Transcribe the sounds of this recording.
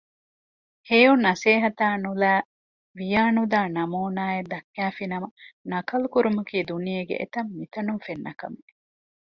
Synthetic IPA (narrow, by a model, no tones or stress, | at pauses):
heːunːɐseːɦɐt̪aːnulæː | ʋijaːnud̪aːnɐmoːnaːed̪ɐkːæːfinɐmɐnɐkɐlukuɾumɐkiːd̪unijeɡḛʔḛt̪ɐmːit̪ɐnumfenːɐkɐ̰mi